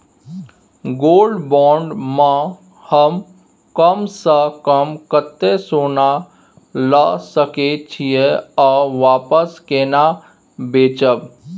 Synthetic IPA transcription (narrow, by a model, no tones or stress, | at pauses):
ɡoːlɖbɔ̃ːɳɖmã | həm | kəmsəkəmkət̪ːesoːna | lasəket͡ʃʰieɔːʋaːpəskeːna | beːt͡ʃəb